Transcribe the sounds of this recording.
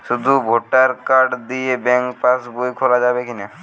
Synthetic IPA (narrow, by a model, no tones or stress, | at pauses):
ʃud̪ʱubʱoʈaɾkaɾɖd̪ijebɛŋkpasbojkʰolad͡ʑabekine